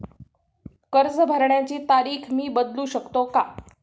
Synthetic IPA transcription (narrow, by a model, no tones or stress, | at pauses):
kəɾd͡zbʱəɾɳjat͡ɕiːt̪aɾiːkʰmiːbəd̪luːɕəkt̪oka